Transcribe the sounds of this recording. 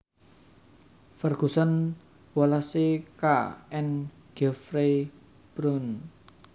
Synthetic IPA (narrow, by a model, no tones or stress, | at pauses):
fərɡ̥usan | walasekaɛn | ɡ̥ɛfɾe | b̥ɾɔn